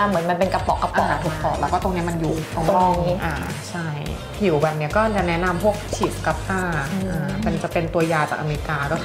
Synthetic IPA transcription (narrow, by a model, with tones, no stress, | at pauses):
a˥˩mɯ˨˩˦nma˧npe˧nka˧pɔ˨˩kːa˧pɔ˨˩ʔ̚a̰˨˩t̪uː˨˩ɔː˨˩t̪lɛː˧˩kɔː˥˩t̪o˧ŋni˦˥ɐma˧njuː˨˩t̪o˧ŋ˥˧ŋʔaː˧˩ | t͡ɕʰa˥˩j | pʰi˨˩˦wwa˧˩nːi˦˥ɐkɔː˥˩˧t͡ɕa˨˩nɛ˦˥na˧mpʰu˥˩ək̚t͡ɕʰi˨˩p̚ka˧˩p̚t̪aː˥˩ʔaː˧˩ma˧nt͡ɕa˨˩pe˧nt̪u˧ɐjaː˧t͡ɕa̰ː˨˩k̚ʔa˧meː˧ɾi˦˧kaː˧kɔ˥˩